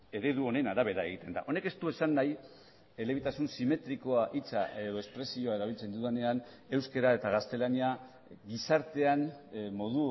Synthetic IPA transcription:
e̞ɾe̞ðuo̞ne̞naɾaβ̞e̞ɾae̞ɣ̞it̪e̞nd̪a̰ʔo̞ne̞ke̞st̪ue̞sanːaj | e̞le̞βit̪asunsime̞t̪ɾiko̞aʔit͡sae̞ðo̞e̞spɾe̞sio̞ae̞ɾaβ̞ilt͡se̞nd̪uðene̞an | e̞wske̞ɾae̞t̪aɣ̞ast̪e̞lania | ɡisaɾt̪e̞anmo̞ðu

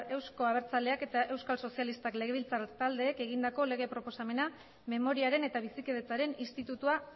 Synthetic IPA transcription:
e̞wsko̞aβ̞e̞ɾt͡saleake̞t̪aʔe̞wskalso̞sialist̪akle̞ɣe̞βilt͡sat̪ald̪e̞ːke̞ɣind̪ako̞le̞ɣe̞pɾo̞po̞same̞na | me̞mo̞ɾiaɾe̞ne̞t̪aβ̞isike̞ðet͡saɾe̞nist̪it̪ut̪ua

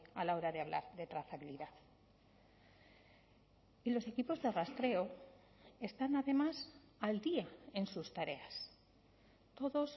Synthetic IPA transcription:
alao̞ɾaðe̞aβ̞la̰ɾðe̞t̪ɾaθaβiliðaθ | ilo̞se̞kipo̞zðe̞rast̪ɾe̞o̞ | e̞st̪anaðe̞mas | ald̪iae̞nsust̪aɾe̞as | t̪o̞ðo̞s

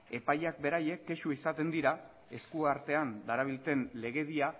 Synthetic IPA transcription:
e̞pajak̚be̞ɾaje̞kːe̞ʃuisat̪e̞nd̪iɾa | e̞skuaɾt̪e̞and̪aɾaβ̞ilt͡s̪e̞nle̞ɣ̞e̞ðia

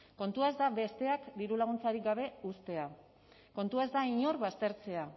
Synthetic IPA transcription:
ko̞nt̪uae̞zd̪aβe̞st̪e̞akd̪iɾulaɣ̞unt͡saɾikɡaβe̞ust̪e̞a | ko̞nt̪uae̞zd̪aiɲo̞rβast̪e̞ɾt͡se̞a

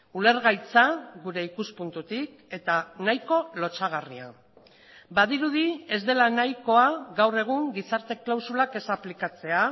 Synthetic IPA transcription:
ule̞ɾɣajt͡saɣuɾe̞ikuspunt̪ut̪ik | e̞t̪anajko̞lo̞t͡saɣ̞aria̰ | baðiɾuð̞ie̞zd̪e̞lanajko̞aɣawre̞ɣ̞uŋɡisaɾt̪e̞klawsulake̞saplikat͡se̞a

